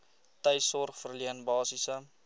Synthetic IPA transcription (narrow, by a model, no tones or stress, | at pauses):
təjsɔrχfərliənbɑːsisə